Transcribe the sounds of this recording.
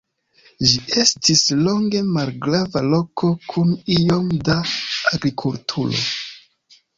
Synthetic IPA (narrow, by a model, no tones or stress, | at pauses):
ʒie̞stʰislo̞ŋɡe̞malɡɾavalo̞kʰo̞kʰunijo̞mdaːɡɾikʰultʰuɾo̞̰